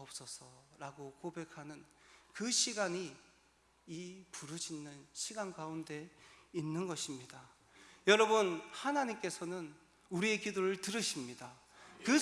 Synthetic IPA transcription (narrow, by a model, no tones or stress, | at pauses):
ʌp̚s͈ʌsʰʌɾaɡokobe̞kʰanɯnkɯɕʰiɡaɲiː | puɾɯd͡ʑinːɯnɕʰiɡanɡaunde̞inːɯnɡʌɕʰimɲida | jʌɾʌbɯnhanaɲimk͈e̞sʰʌnɯn | uɾie̞kidoɾɯɭtɯɾɯɕʰimɲida | kɯ